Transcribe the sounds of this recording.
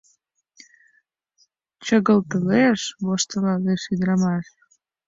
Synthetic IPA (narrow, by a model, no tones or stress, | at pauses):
t͡ɕəɣəlt̪əleʃβoʃt̪əlɑɣeʃid̪ɾɑmɑʃ